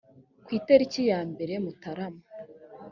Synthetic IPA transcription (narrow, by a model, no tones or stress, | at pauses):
kwiːteɾicijaːmbe̞ɾe̞mutaɾama